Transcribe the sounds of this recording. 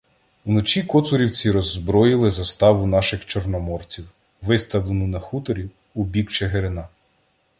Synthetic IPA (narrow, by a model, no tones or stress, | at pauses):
unɔt͡ʃʲikɔt̪sʊɾʲiwt͡sʲiɾɔzːbɾɔjɪlˠɪzɐst̪ɑʋʊnɑʃɪxt͡ʃɔrnɔmɔrt͡sʲiw | ʋɪst̪ɐwlˠenʊnɐxut̪ɔɾʲi | ubʲikt͡ʃeɦeɾɪnɑ